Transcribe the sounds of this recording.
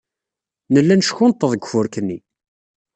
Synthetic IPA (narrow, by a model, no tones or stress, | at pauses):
nəlːænʃçʊnt̪ːəðˤəɡʷfʊɾkənːi